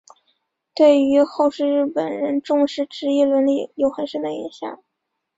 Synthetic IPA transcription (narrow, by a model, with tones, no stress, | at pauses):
t̪we˥˩ɪy˧˥xo˥˧ʊʂɻ̩˥˧ɻɻ̩˥˩pə˨˩nɻə˧˥nʈ͡ʂʊ˥˧ŋʂɻ̩˥˩ʈ͡ʂɻ̩˧˥i˥˩lwə˧˥nli˥˩jo˨˩ʊxə˧˥nʂə˥nd̪ə˧ḭ˧˥nɕjɑ̰˨˩˦ŋ